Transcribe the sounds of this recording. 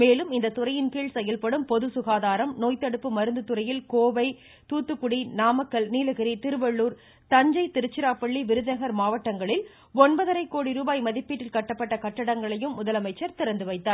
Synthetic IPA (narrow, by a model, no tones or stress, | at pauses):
meːlɯmɪnd̪ɐt̪ʊrɐjɪnkiːɭsɛjːɐlpɐɽɯmpɔðɯsʊɣaːðaːɾɐmnoːjt̪ːɐɽɯpːɯmɐɾɯnd̪ɯt̪ʊɾɐjɪlkoːʋɐɪ | t̪uːt̪ːɯkːʊɽinaːmɐkːɐlniːlɐɣɪɾit̪ɪɾɯʋɐɭːuːɾ | t̪ɐɲd͡ʒɐɪt̪ɪɾɯt͡ʃːɪɾaːpɐɭːiʋɪɾɯðɪnɐɣɐɾmaːʋɐʈːɐŋɡɐɭɪl | ɔnbɐðɐɾɐɪkːoːɽiɾuːbaːjmɐðɪpːiːʈːɪlkɐʈːɐpːɐʈːɐkɐʈːɐɽɐŋɡɐɭɐjɯmːʊðɐlɐmɐɪt͡ʃːɐɾt̪ɪɾɐnd̪ɯʋɐɪt̪ːaːɾ